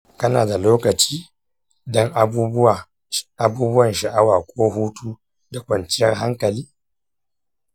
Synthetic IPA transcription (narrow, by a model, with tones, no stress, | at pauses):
kɐ˦na̰ː˨da˨loː˦kɐ˨t͡ʃiː˦ | dɔ˦ŋʔ | a˦buː˦bʊ˦wɐ˨nʃɐ˨ʔa˦waː˨kʷʼoː˦ɦuː˦tʰuː˦ | da˨kʷʼɐ˨nt͡ʃɪ˦jɛ˦ŋɦa˦ŋkɐ˨liː˦